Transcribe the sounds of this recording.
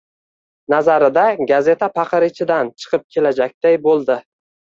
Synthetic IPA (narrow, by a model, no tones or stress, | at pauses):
nazaɾɪd̪aɡaze̞t̪ʰapʰɑqʰɨɾɪt͡ʃʰɪd̪ant͡ʃʰɨ̥qʰɨp̚kʲʰe̞lad͡ʒak̚ʲd̪̥ajbolˠd̪ɪ